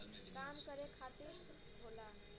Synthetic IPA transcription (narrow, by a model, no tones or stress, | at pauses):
kamkəɾekʰat̪iɾ | ɦola